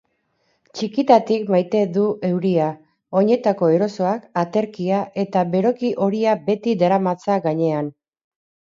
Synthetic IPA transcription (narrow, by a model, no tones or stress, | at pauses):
t͡ʃikit̪at̪ikmajt̪e̞ðuʔe̞wɾia | o̞ɲe̞t̪ako̞e̞ɾo̞so̞akat̪e̞ɾkiaʔe̞t̪abe̞ɾo̞kiʔo̞ɾiabe̞t̪id̪aɾamat͡saɣaɲe̞an